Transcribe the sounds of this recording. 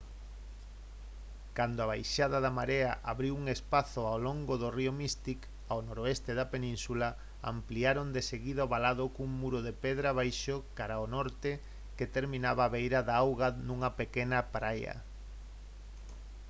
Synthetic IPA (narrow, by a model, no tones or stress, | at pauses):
kand̪oaβajʃaðaðamaɾeaʔaβɾiwuŋespaθoawloŋɡoðoriomist̪ik | awnoɾoest̪eðapenĩnsula | a̰mpliaɾond̪eseɣiðaoβalaðʊkuŋmuɾʊðepeðɾaβ̞ajʃokaɾaonɔɾt̪e | ket̪eɾmĩnaβaβejɾaðaawɣanuŋɐpekenɐpɾajɐ̰